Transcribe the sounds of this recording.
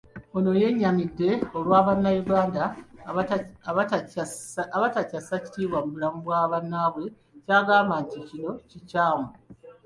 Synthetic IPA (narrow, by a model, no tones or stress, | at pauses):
o̞no̞je̞ɲːamidːe̞o̞lwaːβanːajuɡaːnda | βatacasaci̥tiːβwamubulamuβwaːβanːaβwe̞ | caːɡaːmbanticino̞cicaːmu